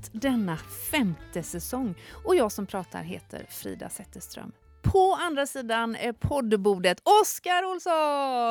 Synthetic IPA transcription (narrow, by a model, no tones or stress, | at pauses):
d̪ɛnːafɛmt̪əsɛsɔŋːɔjɑːɡsɔmpʰɾɑːt̪ʰa̰ɾɦeːt̪ʰə̰ɾfɾḭːd̪a̰sɛt̪ːəʂt̪ɾœ̰m | pʰɔand̪ɾasiːd̪anæpʰɔd̪buːd̪ət̪ɔskaɾʊlsɔ